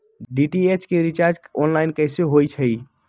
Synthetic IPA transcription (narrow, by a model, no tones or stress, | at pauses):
ɖiʈiet͡ʃkeɾit͡ʃaɾd͡ʒɔnlaɪnkəjseɦojt͡ʃʰəj